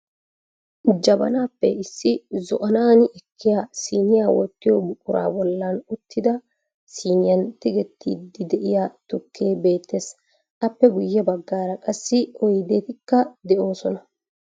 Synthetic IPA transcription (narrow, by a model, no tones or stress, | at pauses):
d͡ʒɐbɐ̰naːpːɛɪsːɪzɔʔɐnaːnɪʔɛkʰːɪjasiːnɪjaːwɔt̪ːɪjɔbʊkʼʊɾa̰ːbɔlːɐnʊt̪ʰːɪd̪ɐ | siːnɪjɐnt̪ɪɡɛt̪ːḭːd̪ːɪd̪ɛʔɪjaːt̪ʊkʰːe̞ːbe̞ːt̪ːes | ɐpːɛɡʊjːɛbɐɡːaːɾɐkʼɐsːɪɔjd̪eːt̪ɪkːɐd̪ɛʔo̞ːsɔnɐ